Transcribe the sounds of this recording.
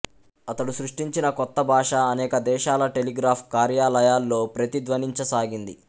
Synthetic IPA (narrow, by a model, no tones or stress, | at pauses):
ɐt̪ɐɽusɾuʂʈiɲt͡ʃinɐkɔt̪ːɐbʱaːʂɐːnɛːkɐd̪ɛːʃaːlɐʈe̞liɡɾaːpʰkaːɾjaːlɐjaːlːo̞ːpɾɐt̪id̪ʋɐniɲt͡ʃɐsaːɡind̪i